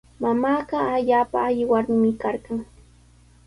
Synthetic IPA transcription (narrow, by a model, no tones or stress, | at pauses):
mamaːɢɑaʎaːpa̰ːʎɪwaɾmɪmɪkaɾɢɑŋ